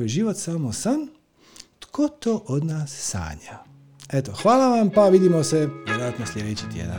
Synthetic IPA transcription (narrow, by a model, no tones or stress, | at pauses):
jeʒiʋo̞t̪samosan | t̪kʰot̪oʔod̪naːsːa̰ːɲa̰ | et̪o̞xʋaːlˠaʋampaʋid̪imoseʋjeɾojat̪nosʲlʲed̪et͡ɕi̥t̪jḛd̪a̰n